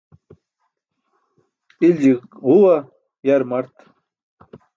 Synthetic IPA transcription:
ild͡ʑikhuwa | jaɾmaɾt̪

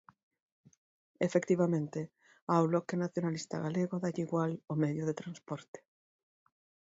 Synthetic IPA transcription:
efekt̪iβamẽnt̪e | awβlɔkenaθjonalist̪a̰ɣaleɣoðaʎiɣwalomɛðjʊðet̪ɾanspɔɾt̪e̥

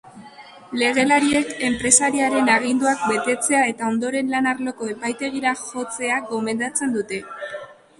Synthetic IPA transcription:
le̞ɣ̞e̞laɾie̞ke̞mpɾe̞saɾiaɾe̞naɣind̪uak̚be̞t̪e̞t͡se̞ae̞t̪ao̞nd̪o̞ɾe̞nlanaɾlo̞ko̞e̞pajt̪e̞ɣ̞iɾaxo̞t͡se̞aɡo̞me̞nd̪at͡se̞nd̪ut̪e̞

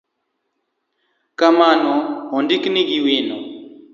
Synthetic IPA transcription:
kamaːnoɦɔndikniɡiweːno

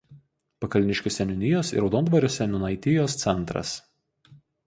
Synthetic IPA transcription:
pɐkɐlʲɪnʲɪʃʲkʲʊsʲɛnʲʊnʲɪjoːsɪ̰ɾɒʊd̪oːnd̪ʋɐɾʲoːsʲɛnʲʊnɐɪt̪ʲɪjoːst̪sʲɛnˑt̪ɾɐ̰s

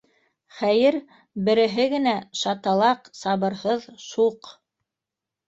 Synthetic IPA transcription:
χæjɘɾ | bɘ̆ɾɘ̆ɦɘɡɘ̆næʃɑt̪ɑlˠɑqsɑβɤ̆ɾhɤðʃuq

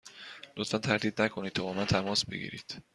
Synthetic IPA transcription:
lot̪fænt̪ʰæɾd̪iːd̪nækʰo̞nid̪̚t̪ʰɒːbɒːmænt̪ʰæmɒːsbe̞̰ɡʲḭːɾḭːd̪̥

